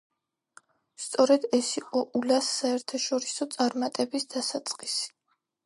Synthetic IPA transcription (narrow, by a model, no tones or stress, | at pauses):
st̪sʼɔɾɛd̪ɛsiqʼɔʔulasːaɛɾt̪ʰaʃɔɾisɔt̪sʼaɾmat̪ʼɛbisd̪asat̪sʼqʼisi̥